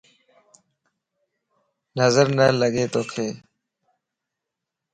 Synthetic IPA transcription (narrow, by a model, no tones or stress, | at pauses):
nəzəɾnələɡeːt̪oːkʰeː